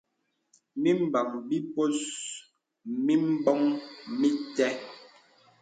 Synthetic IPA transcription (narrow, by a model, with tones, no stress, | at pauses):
mi˦m̩˦ba˨ŋbi˦po˦s | mi˦m̩˦bɔ˦ŋmi˦tɛ˦